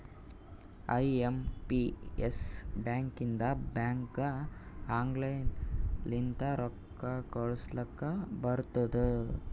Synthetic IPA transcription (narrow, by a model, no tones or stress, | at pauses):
ɐjempiesbjaːŋkind̪ɐbaːŋkɐaːŋɡlejnlint̪ɐɾɔkː | ɐkɐɭuslɐkːɐbɐɾt̪ɐd̪u